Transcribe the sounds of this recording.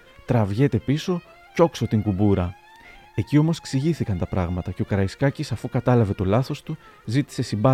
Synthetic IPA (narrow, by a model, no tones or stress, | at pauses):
t̪ɾɐvʝe̞t̪e̞piso̞ | co̞kso̞t̪iŋɡubuɾɐ | e̞cio̞mo̞se̥ksiʝiθikɐnt̪ɐpɾɐɣmɐt̪ɐce̞o̞kɐɾɐiskɐcisɐfukɐt̪ɐlɐve̞t̪o̞lɐθo̞st̪u | zit̪i̥se̞sibɐ